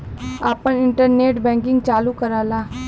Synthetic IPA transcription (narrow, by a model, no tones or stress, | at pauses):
aːpənɪɳʈəɾneːʈbɛ̃ːŋkɪ̃ŋɡt͡ʃaːlukəɾaːlaː